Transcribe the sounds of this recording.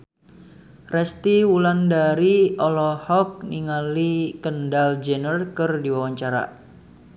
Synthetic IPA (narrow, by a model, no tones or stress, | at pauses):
rɛst̪iwulandaɾiɔlɔhɔk̚niŋalikəndald͡ʒənərkərdiwawaɲt͡ʃaɾa̰